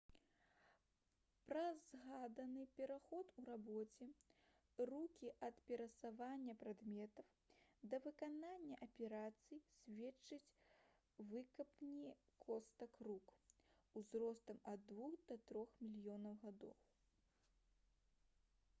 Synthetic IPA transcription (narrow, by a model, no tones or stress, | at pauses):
pɾɐzɣad̪ɐnɨpʲɛɾaxɔt̪uɾabɔt͡sʲɛ | rukʲiʔɐt̪pʲɛɾɐsavanʲːɐpɾad̪mʲɛt̪ɐw | d̪ɐvɨkananʲːɐʔɐpʲɛɾat̪sɨjisʲvʲɛt͡ʂːɨt͡sʲ | vɨkɐpnʲikʰɔst̪ɐkrukuzɾɔst̪ɐmɐd̪ːvuxd̪ɐt̪ɾɔxmʲilʲjɔnɐwɣad̪ɔ̰w